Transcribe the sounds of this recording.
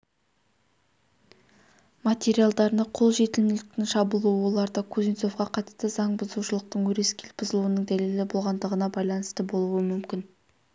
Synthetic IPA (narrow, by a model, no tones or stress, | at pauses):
mat̪ʲe̞ɾijalˠd̪ɑɾnəqʰo̞lˠʒe̞t̪ɪlmɪlɪk̚t̪ɪŋʃɑbʊlˠuwəwo̞lˠɑɾd̪ɑkʰuzijnso̞fqɑqʰɑt̪st̪əzɑɴbʊzuʃəlˠəq̚t̪əɴwɵɾe̞skʲelb̥ʊzəlˠuənəŋd̪æle̞lɪbolˠʁɑnd̪əʁənɑbɑjlˠɑnəst̪əbo̞lˠuəmʏmkʲɪn